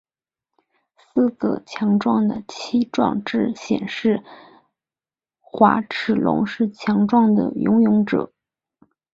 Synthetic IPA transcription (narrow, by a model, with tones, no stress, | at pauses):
sɹ̩˥˧ɡə̰˨˩t͡ɕʰjɑ˧˥ŋʈ͡ʂwɑ˥˩ŋd̪ə̰˩t͡ɕʰi˥ʈ͡ʂwɑ̰˥˧ŋʈ͡ʂɻ̩˥˩ɕjɛ̰˨˩nʂɻ̩˥˩ | xwa̰˧˥ʈ͡ʂ̩ʰ˨˩lʊ̰˧˥ŋʂɻ̩˥˩t͡ɕʰjɑ˧˥ŋʈ͡ʂwɑ˥˩ŋd̪ə̰˨˩jʊ̰˧˥ŋjʊ˧˥ŋʈ͡ʂɤ̰˨˩˦